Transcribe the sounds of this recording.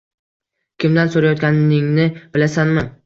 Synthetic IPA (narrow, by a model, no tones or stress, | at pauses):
kʲʰɪmd̪ansoɾajɒt̪̚kʲanɪŋnɪb̥ɪlasanmɪ